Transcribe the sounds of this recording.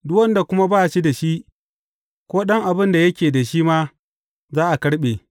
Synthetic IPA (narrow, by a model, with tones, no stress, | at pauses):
dʊ˦wɐ˦nda˨kʷʊ˦ma˦baː˦˨ʃi˦da˨ʃi˦ʔ | kʷoː˦ɗɐ˦ŋʔa˨bɪ˦nda˨jɐ˦kʲeː˨da˨ʃi˦maː˦ | zaː˦ʔa˨kɐ˦ɽɓeː˨